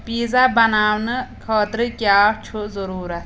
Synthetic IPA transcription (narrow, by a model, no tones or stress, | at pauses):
piːzabɐnaːwnɨkʰɔːt̪ɾɨkʲjaːt͡ʃʰuzɔɾuːɾɐt̪